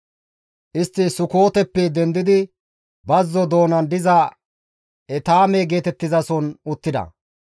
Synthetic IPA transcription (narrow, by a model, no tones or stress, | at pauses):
ʔɪst̪ːɪsʊko̞ːt̪ɛpːɛd̪ɛnd̪ɪd̪ɪ | bɐzːɔd̪o̞ːnɐnd̪ɪzɐ | ɛt̪aːmeɡe̞ːt̪ɛt̪ːɪzɐsɔnʊt̪ːɪd̪ɐ̰